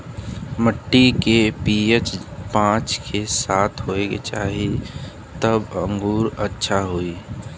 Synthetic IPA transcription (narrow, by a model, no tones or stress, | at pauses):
məʈːikepiːet͡ʃpãːt͡ʃkʰesaːt̪ʰɦoːeket͡ʃa̰ːɦi | t̪əbə̃ŋɡuːɾətːʃʰaɦoːiː